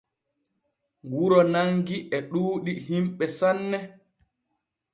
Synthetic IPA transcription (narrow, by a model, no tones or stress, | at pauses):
wuɾɔnaŋɡiʔɛɗuːɗihimɓɛsanːɛ